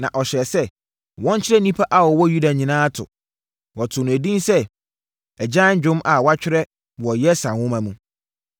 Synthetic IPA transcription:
nã˨ʔɔ˨ɕɛ˨sɛ˦ | wɔ̃˦n˦t͡ɕʰɪ˦ɾɛ˦nĩ˦pʰa˦ʔa˦wɔ˨wɔ˦ju˦da˨ɲĩ˨nãː˦tʰʊ̰˨ | wɔ˨tʰʊ˨nʊ̃˨æ˨dĩ˦nsɛ˦ | ɛ˨d͡ʑã˦n˦d͡ʑᶣʊ̃˦ma˨wa˦t͡ɕᶣɪ˦ɾɛ˦ | wɔ˨jɛ˦sã˨wʊ̃˦mã˨mũ˦

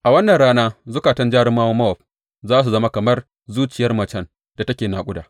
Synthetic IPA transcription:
ʔa˨wɐ˦nːɐ˨nɽaː˦naː˦zʊ˦kaː˨tɐ˦nd͡ʒaː˦ɽɪ˦mːaː˦wɐ˦mːɐ˦wɔ˨ɸ̚ | zaː˦s̬u˨zɐ˦ma˦kɐ˨mɐ˦r | zuː˦t͡ʃɪ˨jɐ˦rmɐ˨t͡ʃɐ˦n | d̥a˨tɐ˦kʲeː˨naː˨kʷʼʊ˦da̰ː˨

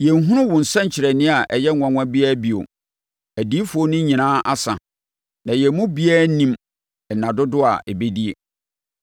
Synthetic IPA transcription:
jɛ˨ŋ˦ɦũ˦ɾʊ̃˦wʊ̃˨n̩˨sɛ̃˦ɲ˨t͡ɕʰɪ˨ɾɛ˨nɪ̃˦a˨ʔɛ˨jɛ˦˨ã˨ŋʷã˦bi˦a˦bi˨o̰˨ | æ˨di˦fʊ˨o˦nʊ̃˦ɲĩ˨nãː˦ʔa̰˦sã̰˨ | nã˨jɛ˨mʊ̃˦bi˦aː˦nĩ˦m | ɛ˨nã˨dʊ˦dʊ˦a̰˨ʔe˨be˦di˦e˨

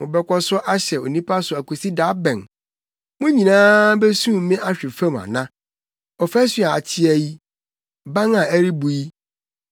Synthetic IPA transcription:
mʊ̃˨bɛ˦kʷʰɔ˦sʊ˦ʔa˦ɕɛ˨o˨nĩ˦pʰa˦sʊ˨æ˨kʰo˨si˦da˨˦bɛ̃˨n | mʊ̃˦ɲĩ˨nãː˦be˦sũ˦˨˦mɪ̃˦ʔa˦ɕᶣɪ˨fã˦mã̰˨nã˦ | ɔ˨fæ˦si˨˦a˨a˨tʰɪ˦ɛ˨ji˦ | bã˦ŋã˨æ˦ɾi˦bu˨ji˦

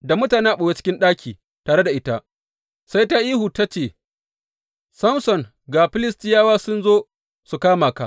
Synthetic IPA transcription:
da˨mʊ˦taː˨ne˦ʔa˨ɓo˨we˦t͡ʃɪ̥˦kʲɪ˦nɗaː˦kʲiː˨ | taː˨ɽe˦da˨ʔɪ˦ta˦ʔ | sa˦jta˦ʔiː˦hu˨ta˦t͡ʃeː˦˨ | sɐ˦msɔ˨ŋ | ɡaː˨ɸɪ˦lɪ˦stɪ˦jaː˦waː˦sʊ˦nzoː˦ | su˨kaː˦maː˨ka̰˦

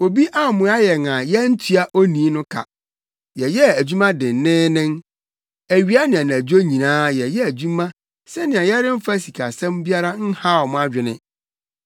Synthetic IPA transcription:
o˨bi˦ʔa˦˨mʊ̃˨˦a˦jɛ˨ŋã˨jɛ˦n̩˦tʰi˦a˦ʔo˦nĩ˨˦nʊ̃˦kʰa̰˨ | jɛ˨jɛ˦æ˨d͡ʑu˦mã˦dɪ̃˨n˨nɪ̃ː˦nɪ̃˦ŋ | æ˨ɥi˦a˦nɪ̃˨ã˨nɪ̃˨æ˨d͡ʑo˦ɲĩ˨nãː˦jɛ˨jɛ˦æ˨d͡ʑũ˦mã˦ | sɛ˦nɪ̃˨ã˨jɛ˦ɾɪ˦m̩˦fa˦si˨kʰa̰˨sɛ̃˦mbi˦a˦ɾa˦n̩˦ha˦˨ɔ˨mʊ̃˨˦a˦˨d͡ʑᶣɪ˨nɪ̰̃˦

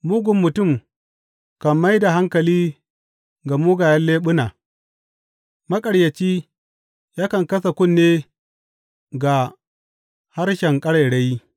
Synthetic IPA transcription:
mu˦ɡʷʊ˨mːʊ˨tʊ˦˨m | kɐ˨mːa˦jda˨ɦa˦ŋkɐ˨liː˦ | ɡa˨muː˦ɡaː˨jɐ˦nleː˦ɓʊ˦naː˨ | mɐ˦kʼɐ˨ɽjɐ˨t͡ʃiː˦ | jaː˦kɐ˨ŋkɐ˦sa˨kʷʊ˦nːeː˦ | ɡa˨ | ha˦rʃɛ˨ŋkʼɐ˦ɽa˨jɽa˦ji˦

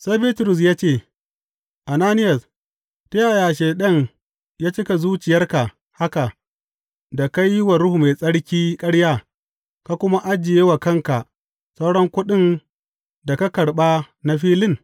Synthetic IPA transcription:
sa˦jbiː˦tʊ˨ɾʊ˨s̬jaː˦t͡ʃeː˦˨ | ʔa˨naː˦nɪ˦jɐ˨s | ta˦jaː˨jaː˨ʃeː˨ɗɐ˦ɲ | jaː˦t͡ʃɪ˦ka˨zuː˦t͡ʃɪ˨jɐ˦rka˨ | ha˦ka˨ | da˨ka˦jːɪ˦wa˨ɾʊ˦hu˨ma˨sʼɐ˦ɽkʲiː˦kʼɐ˦ɽjaː˦ | ka˨kʷʊ˦ma˦ʔa˦d͡ʒɪ˨jeː˦wa˨kɐ˦ŋka˨ | sa˦wɽɐ˦ŋkʷʊ˦ɗɪ˦n | da˨ka˦kɐ˨ɽɓa˦ | na˦ɸiː˦lɪ˦ŋ

